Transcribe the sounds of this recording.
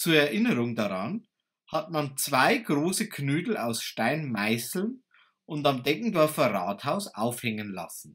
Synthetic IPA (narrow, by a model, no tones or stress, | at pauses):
t͡suːɐɛɐʔɪnəʁʊŋdaʁan | hatmant͡sv̥aɪɡʁoːsəkʰnyːdl̩aʊsʃtaɪnmaɪsl̩n | ʔʊntamdɛŋkŋ̩dɔɐfɐʁa̰ːthaʊsa̰ʊfhɛŋənla̰sn̩